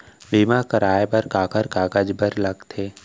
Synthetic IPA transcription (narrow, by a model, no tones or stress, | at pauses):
biːmakəɾaːjbəɾkaːkəɾkaːkəd͡ʒbəɾlɐɡt̪ʰeː